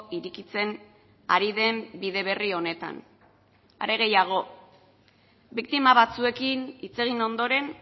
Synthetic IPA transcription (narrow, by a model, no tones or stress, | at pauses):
iɾikit͡se̞n | a̰ɾiðe̞mbiðe̞β̞e̞rio̞ne̞t̪a̰n | a̰ɾe̞ɣ̞e̞jaɣ̞o̞ | bik̚t̪imaβ̞at͡sue̞kinit͡se̞ɣ̞ino̞nd̪o̞ɾe̞n